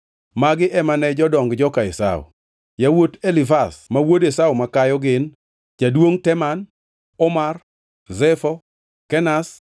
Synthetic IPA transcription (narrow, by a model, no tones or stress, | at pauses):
maɡɪʔɛmanɛd͡ʒɔdɔŋɡd͡ʒɔkaɪsa̰ʊ̰ | jawotelifasmawodesawmakajɔɡɪn | t͡ʃadwoŋtɛman | ɔmar | zɛfɔ | kɛnas